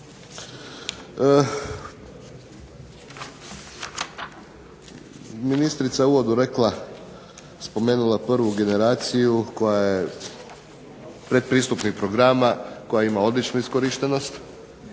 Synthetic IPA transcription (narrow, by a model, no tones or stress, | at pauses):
minist̪ɾit̪saeuʋo̞d̪uɾe̞klˠa | spo̞me̞ːnulˠaprʋuɡe̞ne̞ɾaːt̪sijuko̞jaje | pɾe̞d̪̚pɾiːst̪upnikpɾo̞ɡɾamako̞jaimao̞d̪lit͡ʃnuisko̞ɾiʃt̪e̞no̞st̪